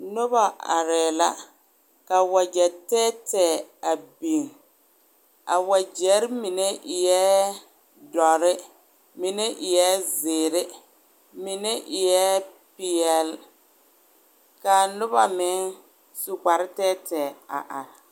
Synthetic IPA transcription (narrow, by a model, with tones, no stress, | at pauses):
nʊ˦ba˨a̰˨ɾɛː˨la˦ | ka˨wa˨d͡ʒɛ˨tɛː˦tɛː˨a˨bi˨ŋ | a̰˨wa˨d͡ʒɛ˨˦ɾɪ˦mi˨ne˦ɪ˨jɛ˦ | dɔ˨ɾɪ˦ | mɪ˨ne˦ʔɪ˨jɛ˦zɪː˨ɾɪ˦ | mɪ˨nɛ˦ʔɪ˨jɛ˦ | pɪ˨ɛ˨l | ka˨nʊ˦ba˨mɪ˨˦ŋ | su˨k͡pa˨ɾɪ˦tɛː˦tɛ˨a̰˨ʔa˨ɾ